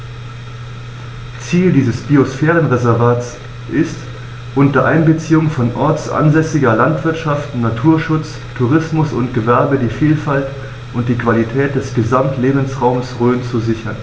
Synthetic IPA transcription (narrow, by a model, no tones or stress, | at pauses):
t͡siːldiːzəsb̥iosfɛːʁ̞ənʁɛzɛɐvaːts | ʔɪst | ʔʊntɐʔaɪnbət͡siːʊŋfɔnʔɔɐtt͡ssʔa̰nzɛsɪɡɐlantv̥ɪɐtʃaftnatʰuːɐʃʊt͡s | tʰuʁɪsmʊsʊntɡ̥əvɛɐbədiːfiːlfalt | ʔʊnt̚d̥iːkv̥alitʰɛːt̚d̥ɛsɡ̥əzamtʰleːbn̩sʁaʊmsʁøːnt͡suzɪçɐn